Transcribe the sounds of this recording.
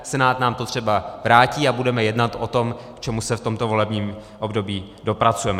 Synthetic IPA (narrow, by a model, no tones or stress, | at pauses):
sɛnaːt̪naːmt̪ot̪r̝̥ɛbavɾaːciːabudɛmɛjɛdnat̪ʔot̪o̞mkt͡ʃɛmusɛft̪o̞mt̪ovo̞lɛbɲiːm | ʔo̞bdo̞biː | do̞pɾat͡sujɛmɛ